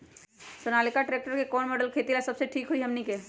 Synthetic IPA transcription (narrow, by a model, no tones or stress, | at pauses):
sʊnaːlɪkaʈɾeːk̚ʈəɾkekɔːnmɔːɖəlkʰeːt̪ilasɐbseʈʰiːkɦuiɦɐmnike